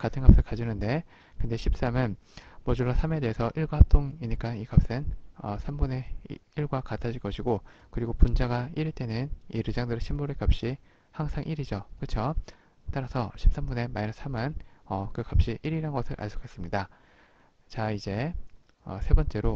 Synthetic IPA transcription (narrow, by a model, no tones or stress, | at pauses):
katʰɯnɡap̚s͈ɯɭkad͡ʑunɯnde̞ | kɯnde̞ɕʰip̚s͈amɯnmʌd͡ʑuɭːasʰame̞de̞ɦesʰʌʔiɭɡwahap̚t͈ʰoŋiɲik͈anikap̚s͈enʌsʰambune̞iɭɡwakatʰad͡ʑʰiɭk͈ʌɕʰiɡokɯɾiɡopund͡ʑaɡaiɾɯɭt͈e̞nɯniɾɯd͡ʑaŋdɯɾɯɕʰimbuɾɯɭkap̚ɕ͈i | haŋsʰaŋʔiɾid͡ʑʌkɯt͡ɕʰo | t͈aɾasʰʌɕʰi̥p̚s͈ambune̞maisʰamɯnʌkɯkap̚ɕ͈iʔiɾiɾanɡʌsʰɯɾʔa̰ɭs͈ʰo̥kʰes͈ɯmɲida | t͡ɕaid͡ʑe̞ | ʌ̰sʰe̞bʌnt͡ɕ͈e̞ɾo